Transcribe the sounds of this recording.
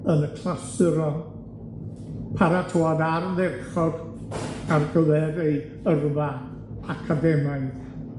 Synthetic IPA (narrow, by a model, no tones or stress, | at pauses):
ənəkʰlˠasɪɾɔ | pʰaɾatʰoːadarðɛrχɔd | arɡəvɛdej | ərva | akʰadɛmajð